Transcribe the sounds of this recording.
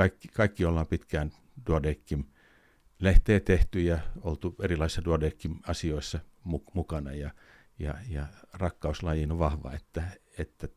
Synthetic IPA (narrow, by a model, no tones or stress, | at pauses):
ɑikːikɑikːiolːɑːmpit̪kæːn | d̥uodeːkːim | leht̪eːt̪eht̪yjɑolt̪uerilɑisisːɑduodeːkːimɑsioisːɑmumukɑnɑjɑ | jɑjɑrɑkːɑuslɑjinoʋʋɑhʋɑ̰et̪ːæet̪ːæ